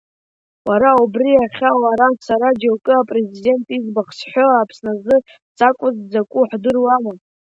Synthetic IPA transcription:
waɾaubriaχʲawaɾasaɾad͡ʒalkʼɨapʼre̞zide̞ntʼizbaχsħʷᶣoaːpʰsnazɨ | t͡sʼakʷʼʊzd͡zakʷʼuħʷdɨrwama

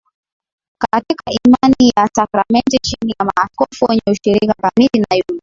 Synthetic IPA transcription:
katikaʔimanijasakɾamɛntit͡ʃinijamaːskɔfuwɛɲɛuʃiɾikakamilinajum

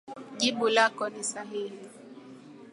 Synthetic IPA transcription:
ʄiɓulakɔnisaɦihi

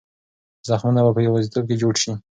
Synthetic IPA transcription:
zaxmunabapəjawazit̪ob̚ked͡ʒoɽʃi

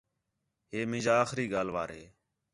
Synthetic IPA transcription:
ɦeːmɪ̃ːd͡ʒaːxɾiːɠaːlʋa̰ːɾɦḛː

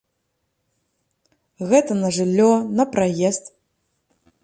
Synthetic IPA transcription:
ɣɛt̪ɐnɐʐɨlʲːɔnɐpɾajɛst̪

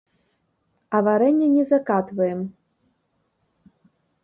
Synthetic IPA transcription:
ɐvaɾɛnʲːɛnʲɛzakat̪vɐjɛm

